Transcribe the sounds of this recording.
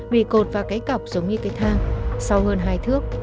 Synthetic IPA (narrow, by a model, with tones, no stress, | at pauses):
ɓḭ˧˨ko˨˩t̚vaː˨˩kaː˨˦jka˨˩wk͡p̚zə˨˦wŋ͡mɲɨ˧kaː˨˦jt̪ʰaː˧ŋsa˧whəː˧nɦaː˧jt̪ʰɨ˦˥ək̚